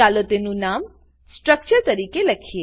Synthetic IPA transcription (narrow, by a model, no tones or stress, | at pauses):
alot̪enũnam | sʈɾək̚t͡ʃəɾt̪əɾikeləkʰie